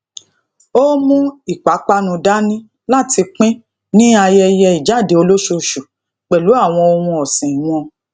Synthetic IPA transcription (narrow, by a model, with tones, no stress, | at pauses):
o˦mũ˦i˦˨k͡pa˨˦k͡pa˦nũ˧da˦nĩ˦ | la˦˨ti˧k͡pĩ˦ | nĩ˦a˧jɛ˧jɛ˧i˨d͡ʒa˨˦˨de˨˦o˧lo˦ʃo˧ʃu˨ | k͡pɛ˨lu˨˦a˦˨w̃ɔ̃˧o˧hũ˧ɔ˨sĩ˨w̃ɔ̃˧